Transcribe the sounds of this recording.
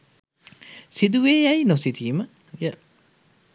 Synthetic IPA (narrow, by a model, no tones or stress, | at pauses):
siduwejajnositʰimɐ | jɐ